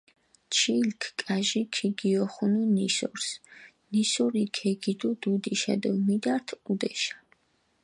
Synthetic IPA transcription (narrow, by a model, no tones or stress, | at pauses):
t͡ʃʰilkʰkʼaʒikʰiɡiɔχununisɔ̰ɾs | nisɔɾikʰɛɡid̪ud̪ud̪iʃa̰d̪ɔmid̪aɾt̪ʰud̪ɛʃḁ